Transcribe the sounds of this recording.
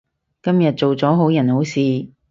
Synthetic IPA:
kɐ˥mjɐ˨t̚t͡so˨wt͡sɔː˨˥ɦo˨˥wjɐ˨˩nho˨˥wsiː˨˧

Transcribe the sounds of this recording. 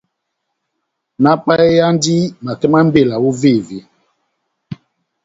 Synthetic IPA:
na˦k͡pa˦ɛ˦ja˦n˦di˦ma˨kɛ˦ma˦m̩˦be˦˨la˨wu˦ve˦˨ve˨˦

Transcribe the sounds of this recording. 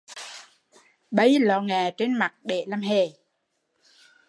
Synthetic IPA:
ɓə˧˦jlɔ˧˨˩ŋaː˨˩t͡ɕe˧nma˨˩t̚ɗḛ˧˨laː˧˨mɦe˨˩

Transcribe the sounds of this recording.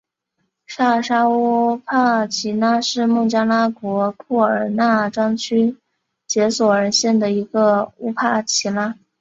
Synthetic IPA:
ʂa˥˩ʂa˥uu˥pʰa˥˩t͡ɕʰi˧˥na˥ʂɻ̩˥˧mu˥˩t͡ɕja˥la˥kwɔ˧˥kʰu˥˩ə˞˨˩na˥˩ʈ͡ʂɑ˥ŋt͡ɕʰy˥ | t͡ɕjɛ˧˥swɔ˨˩ə˧˥ɕjɛ˥˩nd̪ə˩i˧˥ɡə˧u˥pʰa˥˩t͡ɕʰi˧˥na˥

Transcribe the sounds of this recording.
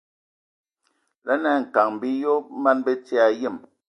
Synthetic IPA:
la˦nɛ˦˨ŋ̩˨ka˨ŋm̩˨bi˦jo˦ma˦nbe˦t͡si˦a˨je˦˨m

